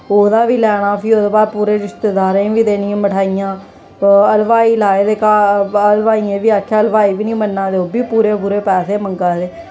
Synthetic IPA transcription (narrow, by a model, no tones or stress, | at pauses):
oːd̪aːʋiːlɛːɽ̃aːpʰiːoːd̪oːbaːd̪̚puːɾeːɾɪst̪eːd̪aːɾẽːʋiːd̪eːnɪẽːməʈʰaːijãː | əlʋaːiːlaːeːd̪eːkaːəlʋaːiːẽːʋiːaːkʰːaːəlʋaːiːʋiːnĩːmənːãːd̪eːoːbiːpuːɾeːbʊɾeːpɛːseːməŋɡaːd̪eː